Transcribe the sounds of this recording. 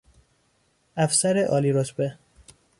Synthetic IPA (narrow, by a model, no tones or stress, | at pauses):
æfsæɾeʔɒːliɾot̪ʰbe